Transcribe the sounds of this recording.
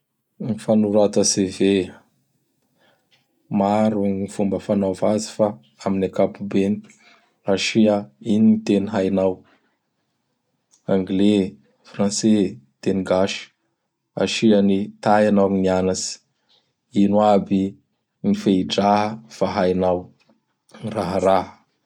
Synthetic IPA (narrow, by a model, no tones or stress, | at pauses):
nifanuɾat̪aseve | maɾuifumbəfanavazi̥fa | aminakapubeni | aʃiaininit̪eniɦajnaw | ãŋɡle | frãnset̪eniɡaʃi̥ | a̰ʃianit̪ajanawnianasi̥ | inwabi | nifeiɖ͡ʐaɦəfaɦajnaw | raɦəɾaɦə̥